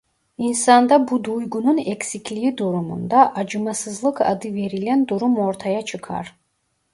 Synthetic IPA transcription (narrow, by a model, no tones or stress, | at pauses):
insɑnd̪ɑbud̪ujɡununekʲsikʲʰlijid̪uɾumṵnd̪aʔɑd͡ʒɯmɑsɯzlˠɯkʰɑ̰d̪ɯve̞ɾilænd̪uɾumo̞ɾt̪ʰajat͡ʃʰɯkʰɑ̰ɾ